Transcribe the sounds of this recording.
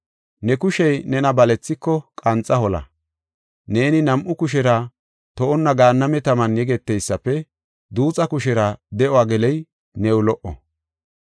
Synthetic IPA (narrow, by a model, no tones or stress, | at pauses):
nɛkʊʃɛjnɛnɐbɐlɛt͡sːɪkːɔkʼɐnt͡sʼːɐhɔlɐ̰ | ne̞ːnɪnɐmʔʊkʊʃɛɾɐ | t̪ɔʔɔnːɐɡaːnːɐmɛt̪ɐmɐnjɛɡɛt̪ːɛjsːɐpːɛ | d̪uːt͡sʼɐkʊʃɛɾɐd̪ɛʔɔwaːɡɛlɛj | nɛwʊlɔʔɔ̰